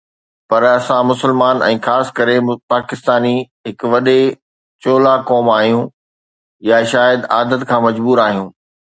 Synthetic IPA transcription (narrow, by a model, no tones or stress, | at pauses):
pɐɾɐsãmʊsɪlmaːnɛ̰̃ːxaːsɪ̥kɐɾepaːkɪst̪aːni | ɦɪkʊ̆ʋɐɗe | t͡ɕoːlakɔːmaːɦijũ | jaʃaːjəd̪aːd̪ət̪kʰãːmɐd͡ʑbuːɾaːɦijũː